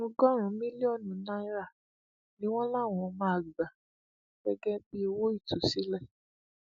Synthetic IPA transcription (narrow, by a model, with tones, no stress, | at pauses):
ũ˧ɡɔ˦ɾ̃ũ˨˦mĩ˦li˦ɔ˦˨nũ˨˦nã˦i˦ɾa˦˨ | nĩ˨˦w̃ɔ̃˦la˦˨w̃ɔ̃˧˨˧mãː˦˨ɡ͡ba˨ | ɡ̥ɛ˦ɡɛ˦k͡pi˦˧wo˦i˦˨tu˨si˨˦lɛ˦˨